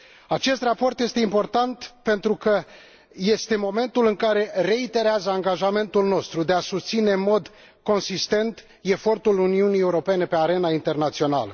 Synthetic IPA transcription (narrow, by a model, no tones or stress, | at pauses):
at͡ʃe̞st̪rapo̞rt̪je̞st̪e̞impo̞rt̪ant̪pe̞nt̪ɾukə | je̞st̪e̞mo̞me̞nt̪ulɨŋkaɾe̞re̞it̪e̞ɾeazəaŋɡaʒame̞nt̪ulno̞st̪ɾud̪e̞asust̪sine̞ɨnmo̞d̪ | ko̞nsist̪e̞nt̪ | e̞fo̞rt̪uluniunije̞uɾo̞pe̞ne̞pe̞aɾe̞naint̪e̞rnat̪sio̞na̰lə̰